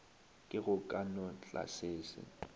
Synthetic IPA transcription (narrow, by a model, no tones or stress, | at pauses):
kʼɪɣʊkʼanɔt͡ɬʼa̰seːsɪ̰